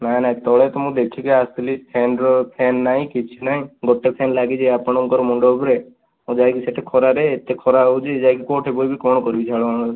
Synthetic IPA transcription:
nanãt̪ɔɭet̪ɔmũd̪ekʰikiast̪lipʰenɾɔpʰenːaĩkit͡ʃʰinaɦĩɡɔʈːepʰenlaɡid͡ʒʰiapɔɽ̃ɔuŋkɔɾɔmɔɳɖoːbɾe | mũd͡ʒajkiseʈʰekʰɔɾaɾeːt̪ekʰɔɾaud͡ʒʰid͡ʒajkikoʈʰebojbʱikɔɳ̃ɔkɔɾibit͡ʃʰaɭɔan

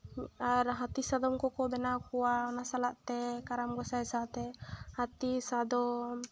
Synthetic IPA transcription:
maɾɦat̪isad̪ɔmkɔkɔbɛnakuwaɔnasalaʔt̪ɛkaɾamɡɔsaɛsat̪ɛhat̪isad̪ɔm

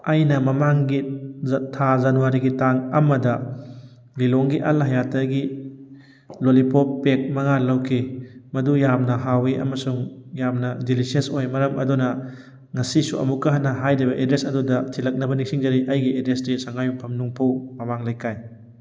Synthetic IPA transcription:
ɐjnɐmɐmaŋɡitʰazanuwaɾiɡitaŋɐmɐdɐ | liloŋɡiʔɐlɦɐjatɐɡi | lolipʰopːek̚mɐŋalawkʰimɐdujamnɐɦawiʔɐ̰mɐsuŋjamnɐdilisesojmɐɾɐmɐ̰dunɐ | ŋɐsisuʔɐ̰mukɐɦanɐɦajdɐjbɐʔedɾesɐdudɐtʰilɐk̚nɐbɐnik̚siŋzɐɾiʔɐjɡiedesɾisaŋajumpʰɐmnuŋpʰawmɐmaŋlajkʰaj

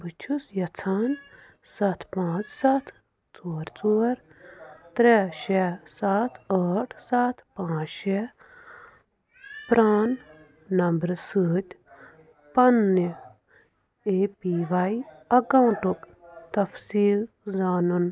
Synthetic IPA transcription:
bɨt͡ʃʰusjɐt͡sʰaːn | sɐt̪ʰpãːt͡ssɐt̪ʰ | t͡soːɾt͡soːɾt̪ɾeʃɛsaːt̪ʰəːʈʰsaːt̪ʰpãːt͡ʃʃɛ | pɾaːnː | ɐmbɾsɨːt̪ʲ | pɐnːi | eːpiʋajɐɡɐ̃wʈuk | t̪ɐfsiːl | zaːnun

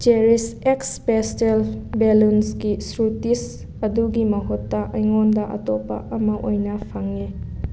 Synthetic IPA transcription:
d͡ʒeɾisekspestelbelunsɡisɾutis | ɐduɡimɐɦutːɐʔɐjŋondɐʔɐ̰tɔpːa̰ʔɐmɐʔojnɐpʰaŋi

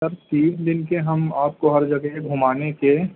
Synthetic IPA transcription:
ɐɾt̪iːsd̪ɪnkeɦɐmaːp̚koɦɐɾd͡ʒɐɡeɡʱuːmaːneke

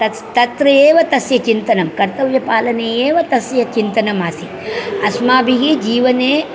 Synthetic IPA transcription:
ɐ | t̪ɐt̪ɾɐjeːʋɐt̪ɐsjɐt͡ʃint̪ɐnɐmkɐɾt̪ɐʋjɐpaːlɐneːjeːʋɐt̪ɐsjɐt͡ʃint̪ɐnɐmaːsi | ɐsmaːbiɦid͡ʒiːʋɐneː

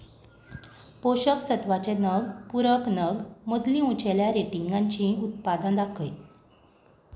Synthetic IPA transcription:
poɕəksət̪ʋat͡ɕenəɡpuɾəknəɡmod̪lĩːũt͡ɕeljaɾeʈiŋɡaɲt͡ɕĩːut̪̚pad̪ãd̪akʰəj

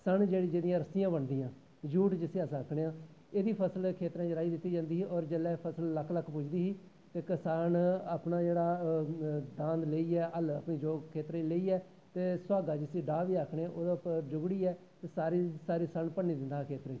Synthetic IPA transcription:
səɳd͡ʒeːɽiːd͡ʒeːdɪjãːɾəsɪjãːbəɳd̪iːãː | d͡ʒuːʈd͡ʒɪsĩːasãːəkʰɽeːãː | eːd̪iːpʰəsəlkʰeːt̪ɾãːd͡ʒəɾaːiːd̪ɪt̪ːiːd͡ʒãːnd̪iːɦiːʔɔːɾd͡ʒəlɛːpʰəsəlːəkʰləkːpʊt͡ʃʰd̪iːɦiː | t̪eːkɪsaːnaːpɳaːd͡ʒeːɽaː | d̪ãːnd̪leiːɛːʔələpɳiːd͡ʒoːɡkʰːeːt̪ɾãːileːiːɛː | t̪eːsʊaːɡaːd͡ʒɪsĩːɖaːʋiːaːkʰɽeːãʔoːd̪aːpd͡ʒʊɡɽiːɛː | t̪eːsaːɾisaːɾiːsəɳpəɳːiːd̪ɪ̃nd̪aːkʰeːt̪ɾãːd͡ʒiː

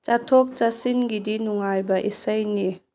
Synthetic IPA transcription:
t͡ʃatʰɔk̚t͡ʃasinɡidinuŋajbɐʔisəjni

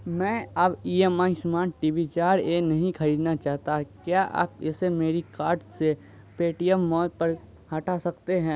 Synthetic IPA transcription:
mɛ̃ːɐbiːemaːismaːʈiːʋit͡ʃaːɾenɐɦĩkʰɐɾiːd̪nat͡ʃaːɦt̪akjaʔa̰ːpɪsemeːɾikaːɾʈse | peːʈijemːɔːt̪̚pɐɾ | hɐʈasɐkt̪eɦɛ̃ː

